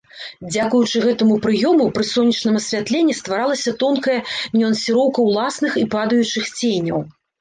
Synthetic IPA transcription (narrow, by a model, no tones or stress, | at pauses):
d͡zʲakujut͡ʂɨɣɛt̪ɐmupɾɨjɔmupɾɨsɔnʲːɐt͡ʂnɐmɐsʲvʲat̪lʲenʲːist̪vaɾalˠɐsʲɐt̪ɔnkɐjɐnʲiɐnsʲɨɾɔwkɐwlˠasnɨxipad̪ɐjut͡ʂɨxt͡sʲenʲɐ̰w